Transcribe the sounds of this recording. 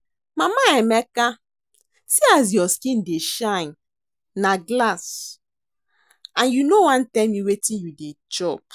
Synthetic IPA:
mamaɛmɛka | siaz̬jɔskĩndeʃãɪ̃n | naɡlas | ãnjunowãntɛlmiwetĩjudet͡ʃɔp̚

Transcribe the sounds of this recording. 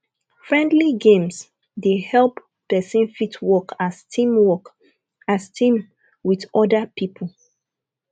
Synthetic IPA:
fɹɛ̃ndliɡẽms | dehɛlpː | ɛsĩnfitʰwɔkastĩmwɔk | astʰĩm | widɔdapʰipʰəl̩

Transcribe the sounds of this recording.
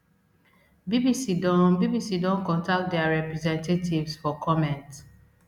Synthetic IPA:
bibisidɔ̃nbibisidɔ̃nkɔ̃ntak̚t̚dɛaɹɛpɹɛzɛ̃ntetʰivsfɔkʰɔmɛ̃nt

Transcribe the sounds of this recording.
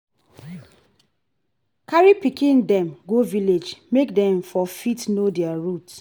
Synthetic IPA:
kaɹipikĩndɛ̃mɡoviled͡ʒmekdɛ̃ɱfɔfitnodɛaɹut

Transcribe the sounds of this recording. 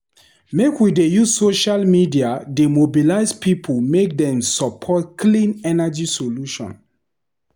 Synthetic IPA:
mekwidejuzsoʃalmidiademobilaɪzpʰipʰulmek̚dɛ̃msɔpʰɔtkʰlĩnɛnad͡ʒisoluʃɔ̰̃n

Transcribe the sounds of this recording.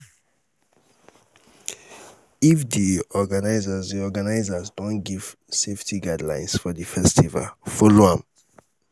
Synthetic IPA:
ifdiɔɡanaɪzazdiɔɡanaɪzazdɔ̃nɡiv̥ | seftʰiɡadlã̰ɪ̃nsfɔdifɛstiva̰lfɔloãm

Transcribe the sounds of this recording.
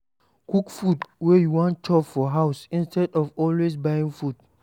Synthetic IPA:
kukfudwɛjuwɔ̃n̚t͡ʃɔpfɔɦaʊsĩnstɛdɔvɔlwes̬bajĩŋfud

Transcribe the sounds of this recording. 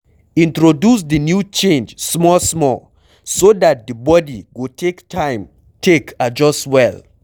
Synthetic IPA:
ĩntɹodus̬dinjut͡ʃẽnd͡ʒsmɔlsmɔl | sodat̚dəbɔdiɡotʰektʰãɪ̃m | tʰekʰad͡ʒɔstwɛl

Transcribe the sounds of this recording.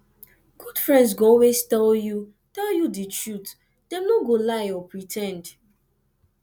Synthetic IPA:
ɡ̥ud̥fɹɛ̃ndsɡoɔlwestɛlju | tɛljudit͡ʃɹut | d̥ɛ̃mnoɡolaɪɔpɹitʰɛ̃nd

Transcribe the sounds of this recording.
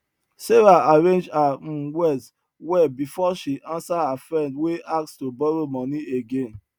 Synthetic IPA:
sevaaɹẽnd͡ʒãwɛs | wɛbifɔʃiʔãnsahafɹɛ̃ndweʔak̚tstobɔɹomɔ̃nieɡẽn

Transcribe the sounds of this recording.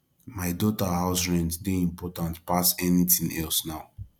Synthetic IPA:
maɪdɔtahaʊsɹɛ̃nddeĩmpʰɔtãntpasɛnitĩŋɛlsnaʊ

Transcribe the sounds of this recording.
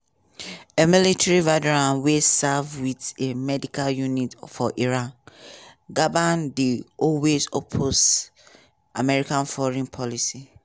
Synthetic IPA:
emilitʰɛɹivɛdɛɹãnwesavwitemɛdikʰaljunitfɔʔiɹãn | ɡavandiɔwezopʰos | ʔamɛɹikãnfɔɹĩnpʰɔlisi

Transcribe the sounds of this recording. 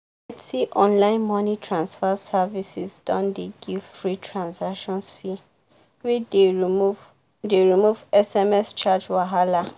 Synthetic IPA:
atiʔɔ̃nlãɪ̃nmɔnitʰɹãnsfasavisisdɔ̃ndeɡiv̥fɹitʰɹãnsakʃɔ̃nsfi | wide | deɹimuvɛsɛmɛst͡ʃad͡ʒwaɦala

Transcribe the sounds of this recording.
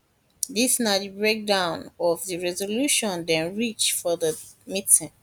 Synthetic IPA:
disnadbɹek̚dãʊ̃nɔvðəɹɛzoluʃɔ̃ndɛ̃nɹit͡ʃfɔðəmitĩŋ

